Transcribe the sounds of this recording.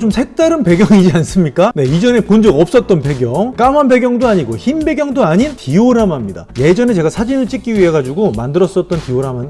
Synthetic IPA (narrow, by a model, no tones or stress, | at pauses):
t͡ɕomsʰe̞k̚t͈aɾɯnpe̞ɡjʌŋid͡ʑians͈ɯmɲik͈ane̞id͡ʑʌne̞pond͡ʑʌɡʌp̚s͈ʌt̚t͈ʌnpe̞ɡjʌŋk͈amɦanbe̞ɡjʌŋdoaɲiɡoçimbe̞ɡjʌŋdoaɲintioɾamɦamɲida̰je̞d͡ʑʌne̞t͡ɕe̞ɡasʰad͡ʑinɯɭt͡ɕ͈ʰikk͈iɥiɦe̞ɡad͡ʑuɡomandɯɾʌs͈ʌt̚t͈ʌntioɾaman